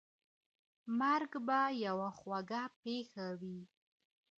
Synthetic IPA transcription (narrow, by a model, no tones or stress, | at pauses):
maɾɡbajawaxwaɡapexawi